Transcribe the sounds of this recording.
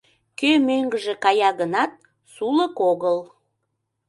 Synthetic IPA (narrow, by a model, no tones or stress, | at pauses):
kømøŋɡəʒĕkɑjɑɣənɑt̪̚ | suləkoɣəl